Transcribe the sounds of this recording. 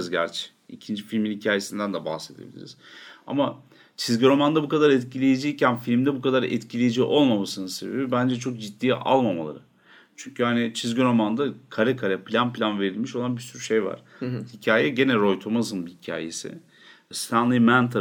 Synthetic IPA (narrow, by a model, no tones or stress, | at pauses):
zɟæɾt͡ʃʰɛ̥ | ḭcʰind͡ʒifilʲminhicʰaːje̞sind̪ænd̪ɛba̰hse̞d̪e̞bḭlʲḭɾḭz̥a̰ma | t͡ʃʰizɟyɾo̞mand̪abukad̪aɾɛt̪cʰilʲejed͡ʒiːcʰænfilʲmd̪ɛbukʰad̪aɾɛ̰t̪cʰilʲejed͡ʒiʔo̞lˠmamasɯnɯnse̞be̞bibænd͡ʒɛt͡ʃʰo̞k̚d͡ʒit̪ːiːʔa̰lˠmama̰lˠa̰ɾɯ | t͡ʃʰyɲcʰyhanɪt͡ʃʰizɟiɾo̞mand̪akʰaɾakʰaɾɛplʲanplʲanve̞ɾilʲmiʃolˠanbisyɾyʃejva̰ɾ̥hicʰaːjɛɟe̞nɛɾo̞jt̪ʰomasɯnbihicʰa̰ːje̞̰sɪ̰ | st̪ʰanlˠimænt̪ʰa